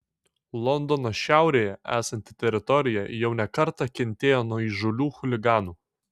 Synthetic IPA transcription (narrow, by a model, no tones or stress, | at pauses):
lˠɔnd̪ɔnoʃʲæˑʊɾʲeːjɛʔæːsɐnʲt̪ʲɪt̪ʲɛɾʲɪt̪ɔɾʲɪjɛjɛʊnʲɛkɐɾt̪ɑkʲɛnʲt̪ʲeːjoːnuɔiʒʊlʲuːxʊlʲɪɡɑːnuː